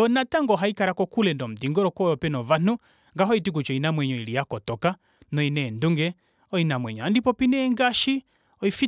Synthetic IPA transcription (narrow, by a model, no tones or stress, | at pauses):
ɔnataŋɡɔɦaikaɾakɔkulɛndɔm̩diŋɡɔɾɔkɔjɔpɛnɔvan̥u | ŋɡaɦɔitik̬ut͡ʃɔinamwɛɲɔilijakɔtɔka | nɔinɛːnduŋɡɛ | ɔinamwɛɲɔandipɔpinɛŋɡaʃi | ɔifi